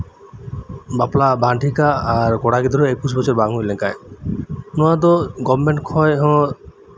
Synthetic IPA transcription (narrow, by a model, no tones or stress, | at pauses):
baplabʱaʈikaːɾkɔɽaɡid̪uɾeekusbɔt͡ɕɔɾbaŋɦojlenkaj | nɔad̪ɔɡɔmːeɳʈkʰɔjɦɔ̃